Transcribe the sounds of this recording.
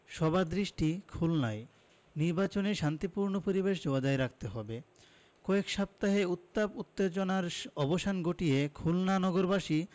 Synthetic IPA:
ʃɔbad̪ɾiʃʈikʰulnaj | niɾbat͡ɕoneɾʃant̪ipuɾnopoɾibeʃd͡ʑoad̪aeɾak̚t̪eɦɔbe | kɔekʃap̚t̪aɦeut̪ːaput̪ːed͡ʑonaɾɔboʃanɡoʈiekʰulnanɔɡoɾbaʃi

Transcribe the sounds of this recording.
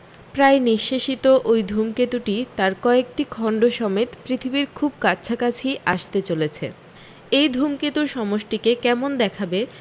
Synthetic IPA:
pɾaeniʃːeʃit̪oʔojd̪ʱumket̪uʈit̪aɾkɔek̚ʈikʰɔɳɖoʃɔmet̪pɾit̪ʰibiɾkʰub̚katːɕʰakat͡ɕʰiʔaʃt̪et͡ɕolet͡ɕʰḛ | ejd̪ʱumket̪uɾʃɔmoʃʈikekɛmond̪ɛkʰabe

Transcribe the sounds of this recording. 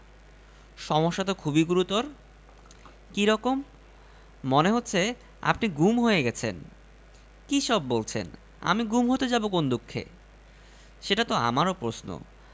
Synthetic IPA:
ʃɔmoʃːat̪okʰubiɡuɾut̪oɾ | kiɾɔkomː | oneɦot̪ːɕʰe | a̰pniɡumɦojeɡɛt͡ɕʰen | kiʃɔbːolt͡ɕʰḛn | a̰miɡumɦot̪ed͡ʑabokond̪ukʰːḛ | ʃeʈat̪oa̰maɾopɾosno̰

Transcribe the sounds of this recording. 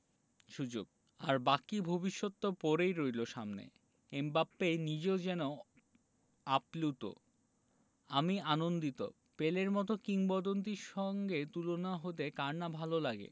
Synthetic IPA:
ʃud͡ʑo̰ɡ̚ | a̰ɾbakibʱobiʃːot̪ːopɔɾejɾojloʃa̰mnḛ | embapːejnid͡ʑeod͡ʑɛno | aplut̪o̰ | amianond̪it̪o̰ | peleɾmɔt̪̬okiŋbɔd̪ont̪̬iʃɔŋɡet̪ulonaɦot̪̬ekaɾnabʱalolaɡḛ

